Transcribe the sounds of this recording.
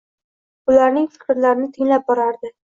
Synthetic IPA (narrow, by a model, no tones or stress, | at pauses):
ʊlaɾnɪŋfɪ̥kɾlaɾɪnɪt̪ʰɪŋlap̚bɒɾaɾd̪ɪ